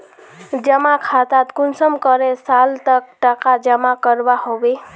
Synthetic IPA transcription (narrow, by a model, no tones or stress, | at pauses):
d͡ʒəmakʰat̪at̪kunsəmkəɾesalt̪ək̚ʈəkad͡ʒəmakəɾbahobe